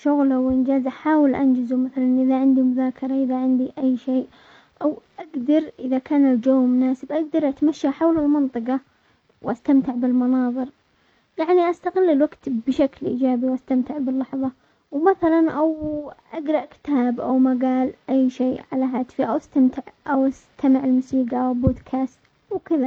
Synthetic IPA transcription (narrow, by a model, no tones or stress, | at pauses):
ʃʊɣlawʔɪnd͡ʒaːzʔaħaːwɪlʔa̰nd͡ʒɪzumaθalanʔɪðaʕɪnd̪imʊðaːkʰɑɾˤɑʔɪðaʕɪnd̪iʔajːʃeːʔ | ʔawʔaɡd̪ɑɾˤʔɪðakaːnɪld͡ʒowmʊnaːsɪbʔaɡ̚d̪ɑɾˤʔat̪maʃːaħawlalmɑnt̪ˤɨqɑ | wʔast̪amt̪ɪʕbɪlmɑnɑːðˤɨɾ | jaʕniʔast̪aɣɪlːɪlwaɡt̪bʃaklʔḭːd͡ʒaːbiwʔast̪amt̪ɪʕbɪlːɑħðˤɑ | wmaθalanʔawʔaɡɾˤɑʔkɪ̥t̪aːbʔa̰wmaɡaːlʔajːʃeːʕalaɦaːt̪fiʔawʔast̪amt̪ɪʕʔawʔast̪ʰamaʕɪlmʊsiːɡawɪboːd̪kʰaːst̪ | wkɪða